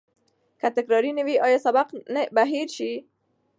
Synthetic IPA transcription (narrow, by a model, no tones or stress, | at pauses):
kat̪ɪkɾɑɾinɪwiʔɑjɔsabaqnbaɦiɾʃi